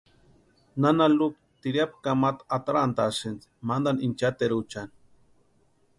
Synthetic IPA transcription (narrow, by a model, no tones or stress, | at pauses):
nanaluk̚ | t̪iɾjap̚kamat̪at̪aɾant̪asɨnt͡s | mand̪anint͡ʃat̪eɾut͡ʃan